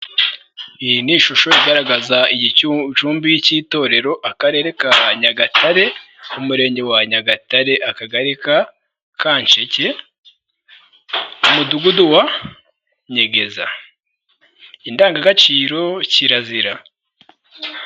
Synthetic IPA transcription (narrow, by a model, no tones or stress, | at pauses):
ihiniʃuʃo̞iɡaɾaɡazaiɟit͡ʃuːmbijiciːto̞ːɾe̞ɾo̞ʔakaɾe̞ːɾe̞kaɲaɡatʰaɾe̞ | umuɾe̞ːɲɟe̞waɲaɡataɾe̞ʔakaɡaɾika | kaːɲt͡ʃe̞ce̞ | muduɡuduwa | ɲe̞ɡe̞za̰ | indaːŋɡaɡat͡ʃiːɾo̞ciɾaziɾa